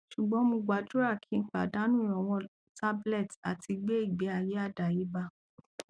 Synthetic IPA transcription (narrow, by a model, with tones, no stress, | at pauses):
ʃu˨ɡ͡bɔ̃˨˦mõ˧ɡ͡ba˨d͡ʒu˦ɾa˦˨kʰi˨˦ŋ̩˦k͡pa˨da˨˦nũ˦˨ɔ̃˨w̃ɔ̃˧ | ta˦blɛ˦˨ta˨ti˧ɡ͡be˦i˦˨ɡ͡be˨˦a˨je˨˦a˦˨da˨ji˨˦ba˧